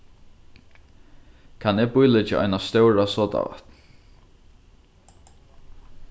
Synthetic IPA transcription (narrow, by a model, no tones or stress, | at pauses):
kʰanɪpʊjlɪt͡ʃaʔa̰jnast̪œwɹasɔːt̪a̰ʋa̰t̪